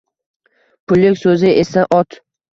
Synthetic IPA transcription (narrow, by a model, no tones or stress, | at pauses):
pʰʊlˠːɪkʲsɵzɪʔe̞saʔɒt̪